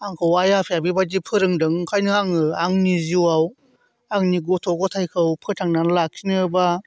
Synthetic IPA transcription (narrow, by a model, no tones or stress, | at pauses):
aŋkʰɯwajapʰijabibadipʰɯɾɯŋdɯŋkʰajnɯaŋɯaŋniziwaw | aŋniɡɔtʰɔɡɔtʰajkʰɯwpʰɯtʰaŋnanlak̚ʰinɯba